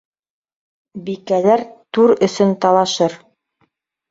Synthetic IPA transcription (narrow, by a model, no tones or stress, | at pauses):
bikælæɾt̪uɾɵ̆sɵnt̪ɑlˠɑʃɤɾ